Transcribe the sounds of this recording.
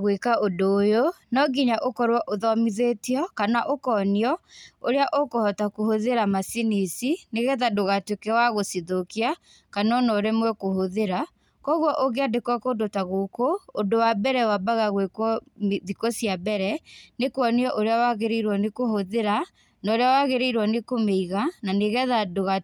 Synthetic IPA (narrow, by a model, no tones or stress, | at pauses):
ɣwekaʔodoːjonɔɡiɲaʔokɔɾwɔʔoðɔmiðetiɔkanaʔokɔniɔoɾeaʔokohɔtakohoðeɾamasinisineɣɛðadoɣatwekɛwaɣosiðokia | kanɔnɔɾemwɛkohoðeɾa | kɔɣwɔʔoɣeadekwɔkodotaɣokoːdowabɛɾɛwabaɣaɣwekwɔmðikosjabɛɾɛnekwɔniɔʔoɾeawaɣeɾeiɾwɔnekohoðeɾa | naɾeawaɣeɾeiɾwɔnekomeiɣananeɣɛðadoɣa